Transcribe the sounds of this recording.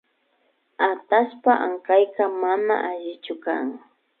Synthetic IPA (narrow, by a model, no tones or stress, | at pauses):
at̪aʃpaʔaŋkajkamana̰ʔaʒɪt͡ʃʊka̰ŋ